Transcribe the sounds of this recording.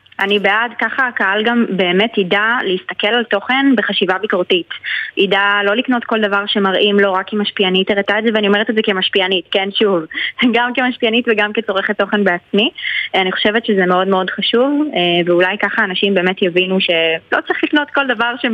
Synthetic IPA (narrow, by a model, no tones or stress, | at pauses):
ʔanibeʔadkaχakaalɡambe̞ːmetidaleist̪ake̞lalto̞χe̞nbeχaʃivabikoʁtitʔidalo̞likno̞tko̞ldavaʁʃe̞maʁʔimlo̞ʁakimaʃpianiteʁetaezeveanio̞me̞et̪ezeke̞maʃpianitkenʃuvɡamke̞maʃpianitveɡamket͡so̞ʁeχetːo̞χenbeat͡smianiχo̞̥ʃe̞vetʃezemeo̞dmeo̞dχaʃuveveulajkaχaːnaʃimbeːme̞tjevinuʃe̞lo̞t͡sʁiχlikno̞tko̞ldavaʁʃe